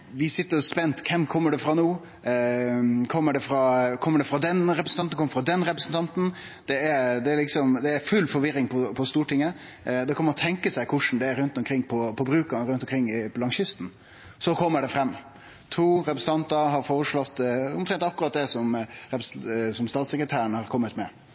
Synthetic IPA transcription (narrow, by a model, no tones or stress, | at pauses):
ʋɪsɪt̪ːəɾɔspɛnt̪kʰɛmkʰɔmːəɖɛfɾɑnuː | kʰɔmːəɖɛfɾɑkʰɔmːəɖɛfɾɑd̪ɛnɾɛpɾsn̩ɑnt̪n̩kɔmːəfɾɑd̪ɛnɾɛpɾəsən̩t̪ɑnt̪n̩ | d̪̥ɛæɾd̪ɛæɾlɪksɔmd̪ɛːɾfʉlfɔɾʋɪɾɪŋpʰɔpʰɔst̪uːʈɪŋːə | d̪ɛkʰɔməɾɔt̪ʰɛŋkəsæɪkʰʊʂn̩d̪ɛæɾʉnt̪ɔmkʰɾɪŋːpʰɔpʰɔbɾʉːkɑnɾʉnt̪ɔmkʰɾɪŋːɪpɔlɑŋɕʏst̪n̩ | sɔkʰɔmːəɖɛfɾɛmː | t̪ʰuːɾɛpɾəsn̩t̪ɑnt̪əɾɦɑɾfoːɾəʂɭɔt̪ːʊmt̪ʰɾɛnt̪ɑkːɾɑːt̪̚d̪ɛsɔmɾɛpɾsɔmst̪ɑːt̪sɛkɾət̪ʰæːɾəɳəhɑɾkʰɔmːət̪mɛ